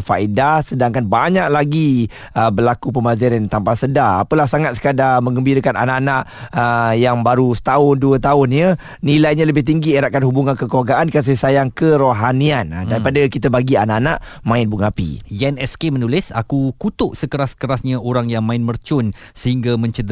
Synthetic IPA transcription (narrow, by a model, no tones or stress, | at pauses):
faidasədaŋkanbaɲaʔ̚laɡi | əbəlakup̬əmazaɾant̪ampasədaa̰pəlahsaŋat̪sə̥kadamə̃ŋɡəmbiɾəkana̰naʔanaʔəjaŋbaɾusə̥t̪aʊnduət̪aʊnɲə | nilajɲaləbɪht̪̬iŋɡieɾaʔkanhɦubuŋankəkəlaɡaʔankəsasajaŋkəɾoɦaniandaɾipadakit̪abaɡianaʔanaʔ | mãɪnbuŋapḭjɛnɛskemənulɪsa̰kukut̪ʊʔsəkəɾaskəɾasɲaoɾaŋjaŋmãɪnmərt͡ʃʊnsəhiŋɡamə̃ɲt͡ʃəd̪